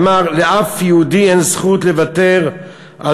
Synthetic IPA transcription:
maʁleʔafjeudiensχut̪levat̪eʁ | ʔa

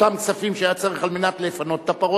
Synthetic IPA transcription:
amkt͡safimʃeajat͡saʁeχalmenat̪lefano̞t̪ːapaʁo

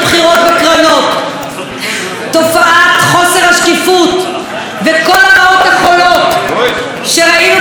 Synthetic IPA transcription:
bχiʁo̞t̪vekʁano̞t̪ | o̞faʔat̪χo̞seʁhaʃkifut̪ | veko̞laaot̪aχolo̞t̪ | ʃeʁaim

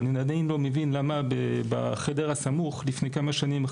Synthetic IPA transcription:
ninad̪ajnlo̞mevinlamabeba̰χedeʁasamuχlifne̞jkamaʃanim

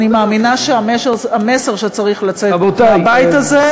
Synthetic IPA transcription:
nimaːminaʃeameame̞seʁʃet͡saʁiχlat͡sebot̪abajitaze

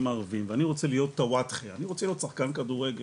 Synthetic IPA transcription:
maʁvimveaniʁo̞t͡selijo̞t̪ːawat̪χeaniʁot͡selijo̞t̪saχkankad̪uʁeɡe

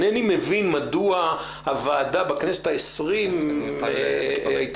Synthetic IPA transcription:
nenimevinmadua | havaːdabakneset̪aesʁim | ajt

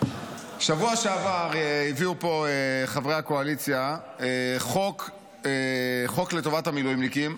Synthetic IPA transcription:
ʃavuaʃeavaʁiviupo̞eχavʁehako̞alit͡sja | eχok | eχo̞kletovatamilujimlikim

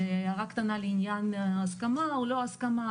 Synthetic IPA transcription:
eaʁakt̪analeinjanaskamaoloaskama

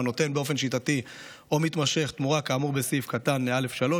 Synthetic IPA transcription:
no̞t̪e̞nbeo̞fe̞nʃitati | o̞mit̪maʃe̞χt̪muʁakaːmuʁbe̞sifkat̪anmeale̞fʃalo̞

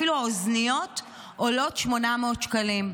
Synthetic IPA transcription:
iluaoznijo̞t | ʔolo̞tʃmo̞nameotʃkalim

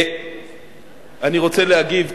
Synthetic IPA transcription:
aniʁo̞t͡sɛleaɡiv

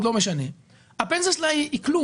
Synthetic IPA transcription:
d̪lo̞meʃane̞ | apenseslaiklu

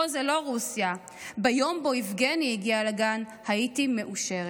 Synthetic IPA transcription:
ozelo̞ʁusja | bajo̞mboifɡenijiɡialaɡanhaitime̞ʔuʃeʁe

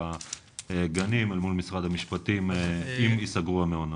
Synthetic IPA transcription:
a | eɡanimalmulmisʁad̪hamiʃpat̪imimisaɡʁuameona

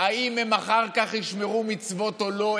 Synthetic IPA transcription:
aimhemaχaʁkaχhiʃme̞ʁumit͡svo̞tolo̞

